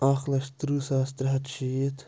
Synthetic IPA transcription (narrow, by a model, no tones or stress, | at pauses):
aːxlɐʃt̪ɾusaːst̪ɾɦɐt̪ʃiːt̪